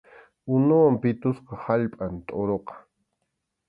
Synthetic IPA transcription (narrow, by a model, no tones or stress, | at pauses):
ʊnʊwampɪt̪ʊsqɑhaʎpʼant̪ʼoɾoqɑ̥